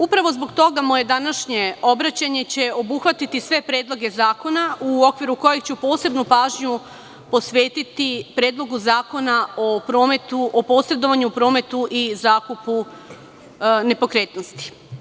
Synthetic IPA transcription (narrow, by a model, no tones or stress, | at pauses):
upɾaʋo̞zboɡt̪o̞ɡamo̞ːje̞d̪anaʃɲe̞o̞bɾat͡ɕaɲe̞t͡ɕe̞o̞buxʋat̪it̪isʋe̞pɾe̞ːd̪lˠo̞ɡe̞zaːko̞naʔuo̞kʋiɾuko̞jekt͡ɕupo̞ːse̞bnupaːʒɲu | po̞sʋe̞ːt̪it̪ipɾeːd̪lˠo̞ɡuzaːko̞naopɾo̞ːmet̪uʔopo̞ːsɾe̞d̪o̞ʋaɲupɾo̞ːme̞t̪uʔizaːkupu | ne̞po̞kɾe̞ːt̪nost̪i̥